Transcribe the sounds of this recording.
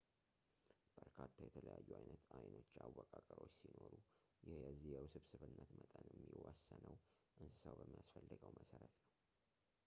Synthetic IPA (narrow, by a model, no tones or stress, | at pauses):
b̥əɾkʰat̪ʰːajɛt̪ʰələjajːuajnət̪ajno̞t͡ʃːawːɔkʼakʼəɾo̞t͡ʃːsinoɾu | jɪhjɛzːihjɛwsɨβsɨβɨnːət̪mət̪ʼənjɛmmːiwasːənəw | ʔɨnsɨ̥səwbəmːijasfəlːɨɡəwmʔəsəɾət̪nəw